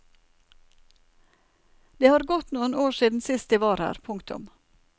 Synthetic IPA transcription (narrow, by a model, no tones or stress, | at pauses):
d̪̥eːhɑːɾɡɔt̪nuːənoːʃiːd̪n̩sɪst̪iːʋɑːɾhæ̰ːɾpʰʊŋkt̪ʊ̰m